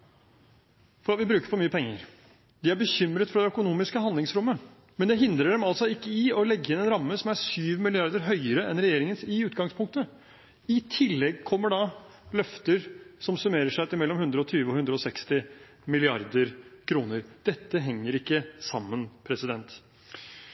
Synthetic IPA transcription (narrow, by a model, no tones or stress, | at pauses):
fɔɾɑt̪ʋɪbɾʉːkəɾpɔmyːəpʰɛŋːəɾ | d̪ɪæɾbəçʏmɾət̪fɾɑd̪ɛœkʊnuːmɪskəɦɑnd̪lɪŋsɾʊmːə | mɛnd̪ɛɦɪnd̪ɾəɖɛmɑlsɔɪkːəɪɔlɛɡːəjɪnɛnɾɑmːəsɔmæʂyːʋmɪlɪɑɾd̪əɾɦœʏəɾəɛnɾɛjeːɾɪŋənsɪʉːt̪ɡɑŋspʰʊŋk̚t̪ə | ɪt̪ʰɪlːɛɡkʰɔmːəɖɑ | lœft̪əɾsɔmsʉmeːɾəʂæt̪ɪmɛlːɔmhʉnd̪ɾəɔt̪ʰyːʋəɔhʉnd̪ɾəɔsɛkst̪ɪ | mɪlɪɑɾd̪əɾkʰɾuːnəɾd̪̥ɛt̪ːəɦɛŋːəɾɪkːəsɑmːənpʰɾɛsɪd̪ɛnt̪